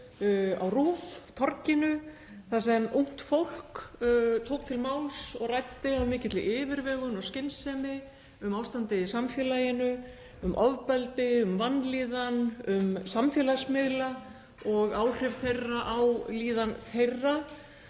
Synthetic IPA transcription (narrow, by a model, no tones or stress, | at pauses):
a̰wruːft̪ʰɔrcɪnʏ | θas̬ɛmuŋ̥t̪fowl̥kt̪ʰoːwk̚t̪ʰɪlmaːwlsɔɣrajt̪ːɪamɪːcɪt̪lɪʔɪːvɪɾvɛːɣʏnɔɣscɪnsɛmɪ | ʏmaːwst̪ant̪ɪðɪsamfjɛːlajɪnʏ | ʏmʔɔvpɛlt̪ɪʏmvanːliːðanʏmsamfjɛlasmɪðla | ɔɣaːwr̥ɪvθejraʔawliːðanθejrːa